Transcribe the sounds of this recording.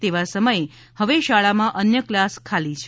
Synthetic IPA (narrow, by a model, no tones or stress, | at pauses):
t̪eʋasəməje | həʋeʃaɭamãʔənjəklaskʰalit͡ʃʰ